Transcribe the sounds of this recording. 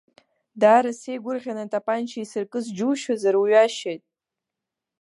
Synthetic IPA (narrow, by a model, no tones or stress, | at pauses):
daːɾasejɡʷʊrʁʲanatʼapʼant͡ʃʰaisɨrkʼɨzd͡ʒuʃazaɾwɥaʃejtʼ